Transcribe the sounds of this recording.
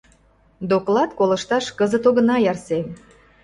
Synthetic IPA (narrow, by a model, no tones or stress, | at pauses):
d̪oklɑt̪kolə̆ʃt̪ɑʃkəzə̆t̪oɣə̆nɑjɑrsem